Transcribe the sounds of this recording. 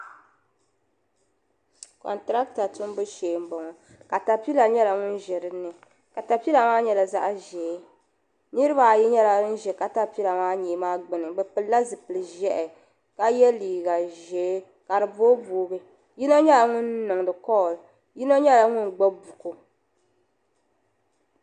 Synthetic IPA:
kɔ̰˨ntɾa˦kta˨tʊ˦m˦bɨ˦ʃeː˨m̩˦bɔ˨ŋɔ˨ | ka˨ta˨pi˦la˨ɲɛ˦la˨ŋʊ˦n˦ʒɛ˨ɾɨ˦nːɨ˨ | ka˨ta˨pi˦la˨maː˦ɲɛ˦la˨za̰˦ʔʒeː˨˦ | nɨ˦ɾɨ˦ba˨ji˦ɲɛ˦la˨˦n̩˦ʒɛ˨ka˨ta˦pi˦la˨maː˦ɲe˨˦maː˦ɡ͡bɨ˨nɨ˨bɛ˨pɨ˨lla˦zɨ˨pɨ˨lɨ˨ʒɛ˦ʔɛ˨ | ka˦jɛ˦liː˨ɡa˨ʒeː˨˦ | ka˨ɾɨ˨boː˦boː˨˦bɨ˦ | ji˦no˦ɲɛ˦la˨ŋʊ˦nnɨ˨ŋ˨dɨ˨kɔ˦˨l | ji˦no˦ɲɛ˦la˨ŋʊ˦nɡ͡bo˦bu˨ko˨

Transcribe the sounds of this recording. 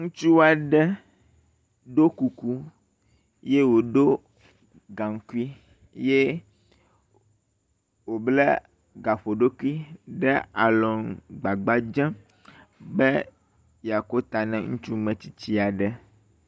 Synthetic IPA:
ŋũ˦t͡ʃu˦wa˨ɖɛ˦ | ɖo˦ku˨ku˦ | je˦wo˨ɖo˦ | ɡa˨ŋ˦ku˦i˦ | je˦ | wo˨blɛ˦ | ɡa˨ɸo˨ɖo˦ku˦i˦ɖɛ˦a˨lɔ˨ŋɡ͡ba˨ɡ͡ba˦d͡ʒɛ̃˦ | bɛ˦ | ja˨ko˦t̪a˨nɛ̃˨ŋũ˦t͡ʃu˦mɛ̃˨t͡ɕi̥˨t͡ɕi˦a˨ɖɛ˨

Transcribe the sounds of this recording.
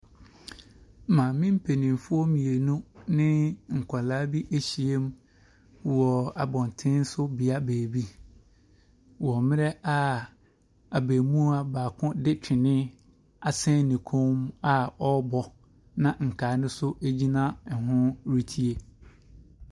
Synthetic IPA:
mã˨mɪ̃˦m̩˦pʰe˨nɪ̃˨m˨fʊ˦ɔ˦mĩ˨e˨nũ˦nɪ̃˦ŋ̩˨kʷʰa˨laː˦bi˦ʔe˦ɕi˨e˦m˦ | wɔ˨a˨bɔ̃˨n˨tʰɪ̃˦n̩˦sʊ˦bi˨a˦beː˨bi˦ | wɔ˨mɪ̃˦ɾɛ˦a˦ | a˨beː˨mũ˦a˨baː˨kʰʊ̃˦dɪ˦t͡ɕᶣʰɪ˨nɪ̃˦ | a˨sɛ̃˦nɪ̃˨kʰõ˦ma˨ɔ˦bɔ˨ | nã˨ŋ̩˨kʰaː˨˦nʊ̃˦sʊ˦ʔe˦d͡ʑi˦nã˦ɛ˨ɦʊ̃˦ɾi˦tʰi˦e˦

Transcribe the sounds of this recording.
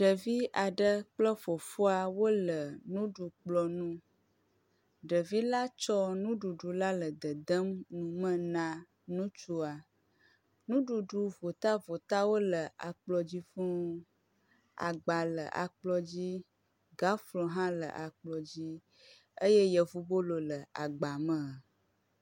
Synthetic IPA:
ɖə˨vi˦ʔa˨ɖə˦k͡plə˦fo˨fu˦a˨wo˦lə˨nũ˦ɖu˨k͡plɔ˨nũ˦ | ɖə˨vi˦la˦t͡ʃɔ˦nũ˦ɖu˨ɖu˨la˦lə˨d̪ə˨d̪ə˦mnũ˨mə̃˦nã˨ | nũ˦t͡ʃu˦a˨ | nũ˦ɖu˨ɖu˨vo˨t̪a˦vo˨t̪a˦wo˦lə˨ʔa̰˨k͡plɔ˨d͡ʑi˦fu˦ | a̰˨ɡ͡ba˨lə̰˨ʔa̰˨k͡plɔ˨d͡ʑi˦ | ɡa˦flɔ̃˨ɦã˦lə̰˨ʔa˨k͡plɔ˨d͡ʑi˦ | ə˦je˦jə˨vu˦bo˦lo˨lə˨a˨ɡ͡ba˨mə̃˨

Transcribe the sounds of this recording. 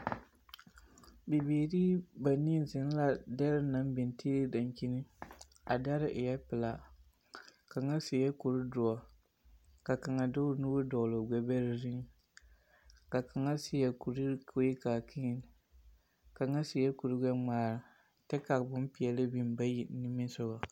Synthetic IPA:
bi˨beː˨ɾiː˦ba˨ni˦zɪ˨n˦la˦dɛ˦ɾɪ˦na˦m˦bɪ˨ntʰi˦li˦da˨ŋki˦nɨ˦ | a˨da˦ɾɪ˦ʔɪ˨jɛ˦pɪ˨la˨ | ka˨ŋa˦se˨jɛ˦ku˨ɾɨ˦dʊ˨ɔ˨ | ka˨ka˨ŋa˨dʊ˦nuː˦bʊ˦dɔ˨lo˨ɡ͡bɛ˨bɛ˦ɾɪ˨ɾi˦ŋ˦ | ka˨ka˨ŋa˦sɪ˨˦jɛ˨ku˨ɾi˦kʰo˦i˦kaː˨kʰi˦˨n˨ | ka˨ŋa˦sɪ˨jɛ˦ku˨ɾɨ˦ɡɛ˦ŋ͡maː˨ɾɨ˨ | tɛ˦ka˨kbʊ˦m˦pi˨ɛ˨lɨ˦bi˦mba˦ji˨˦nɪ˦mɪ˦sʊ˦ɣa˨

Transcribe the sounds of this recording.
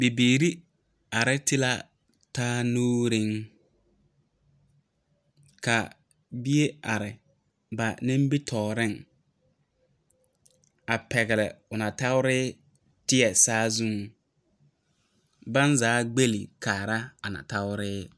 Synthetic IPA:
bi˨biː˨ɾi˦ | a˨ɾɪ˦tɪ˦la˦ | taː˦noː˦ɾi˦ŋ | ka˨ | bi˦e˦a˨ɾɪ˨ | ba˨nɪ̃˦mbi˦tʰɔː˨ɾɪ˦ŋ | a˨pɛ˨ɣɪ˨lɪ̰˨ʊ˨na˨ta˦wʊ˦ɾɪː˦ | tɪ˦ɛ˨saː˦zu˦ŋ | ba˦nzaː˨˦ɡ͡be˦lḭ˨kaː˨ɾa˦a˨na̰˨ta˦wʊ˦ɾɪː˦

